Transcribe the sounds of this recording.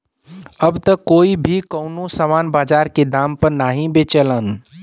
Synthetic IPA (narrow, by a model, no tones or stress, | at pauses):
əbt̪əkoːibʱikəʊnosəmanbad͡ʒaɾked̪ampəɾnaɦĩbet͡ʃələn